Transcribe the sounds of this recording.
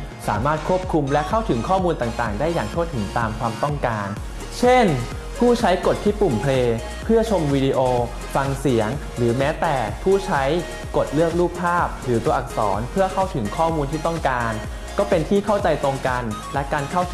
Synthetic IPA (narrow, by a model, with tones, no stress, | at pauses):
sa̰ː˩˦maː˥˩t̪̚kʰu˦˥˩əp̚kʰu˧mlɛ˦˥kʰa˥˩wt̪ʰɯ˩˦ŋkʰɔː˥˩muː˧nt̪aː˨˩ŋt̪aː˨˩ŋdaː˥˩jːaː˨˩ŋtʰu˥˩ət̪ʰɯ˩˦ŋt̪aː˧mkʰwaː˧mt̪ɔ˥˩ŋkaː˧n | t͡ɕʰe˥˩n | pʰuː˥˩t͡ɕʰa˦˥jko˨˩t̪ʰːiː˥˩pu˨˩mpʰleː˧ | pʰɯ˥˩ɐt͡ɕʰo˧mwiː˧di˧ʔoː˧ | fa˧ŋsi˩˦əŋ | ɾɯː˩˦mɛː˦˥t̪ɛː˨˩pʰuː˥˩t͡ɕʰa˦˥j | ko˨˩t̪̚lɯ˥˩ək̚luː˥˩p̚pʰːaː˥˩p̚ɾɯː˩˦t̪u˧ɐʔa˨˩k̚sɔ̰ː˩˦npʰɯ˥˩ɐkʰa˥˩wt̪ʰɯ˩˦ŋkʰɔː˥˩muː˧nt̪ʰiː˥˩t̪ɔ˥˩ŋkaː˧n | kɔː˥˩pe˧nt̪ʰiː˥˩kʰa˥˩wt͡ɕa˧jt̪o˧ŋka˧nlɛ˦˥kaː˧nkʰa˥˩wt̪ʰ